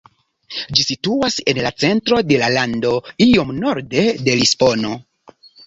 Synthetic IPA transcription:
d͡ʒisituase̞nlat͡se̞ntɾo̞de̞lalando̞io̞mno̞ɾde̞de̞lisbo̞no̞

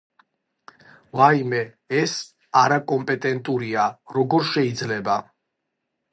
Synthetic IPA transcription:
vaimɛ | ɛs | aɾakʼɔmpʼɛt̪ʼɛnt̪ʼuɾiaɾɔɡɔɾʃɛid̪zlɛba

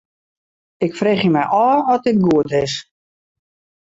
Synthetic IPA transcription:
ɪkfreːχjəmɛjʔɔːɔt̚ɪt̚ɡuətɪs

